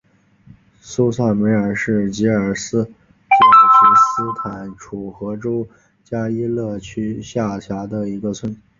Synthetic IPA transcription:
su˥sa˥˩nme˧˥ɪə˞˨˩ʂɻ̩˥˩t͡ɕi˧˥ə˞˨˩sɹ̩˥ | t̪i˨˩t͡ɕʰi˧˥sɹ̩˥t̪ʰa˨˩nʈ͡ʂʰu˨˩xɤ˧˥ʈ͡ʂo˥ʊ | t͡ɕja˥i˥lɤ˥˩t͡ɕʰy˥ɕja˥˩ɕʰja˧˥d̪ə˧i˧˥ɡə˧t͡sʰwə˥˩n

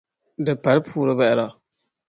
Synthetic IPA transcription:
dɨ˨pa˨lpʰuː˨ɾɨ˦bɛ˦˨ɛ˦ɾa˨

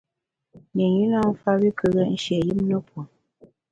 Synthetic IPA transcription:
ne˨ɲi˦na˦m̩˦fa˦bi˦kə˦ɣɛ˦n̩˦ʃɛ˨ji˦mnə˦pwo˨

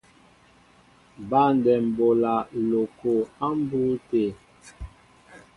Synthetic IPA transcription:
ba˦˨n˨dɛ˨m̩˨bo˨la˨lo˨ko˨a˦m̩˦bu˦te˦˨

